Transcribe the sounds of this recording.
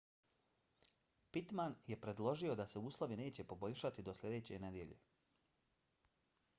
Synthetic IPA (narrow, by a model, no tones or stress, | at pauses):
pit̪manje̞pɾe̞d̪lˠo̞ʒio̞d̪ase̞uːslˠo̞ʋine̞ːt͡ɕe̞po̞bo̞ʎʲʃat̪id̪o̞slʲe̞d̪e̞ːt͡ɕene̞d̪je̞ʎḛ